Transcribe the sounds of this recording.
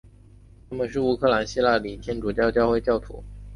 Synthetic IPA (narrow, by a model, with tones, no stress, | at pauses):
t̪ʰa˥˩mə˨nʂ̬ɻ̩˥˩u˥kʰɤ˥˩la˧˥nɕi˥la˥˩li˨˩t̪ʰjɛ˥nʈ͡ʂu˨˩t͡ɕjɑ˥˧ʊt͡ɕjɑ˥˧ʊxwe˥˧ɪt͡ɕjɑ˥˩ʊt̪ʰṵ˧˥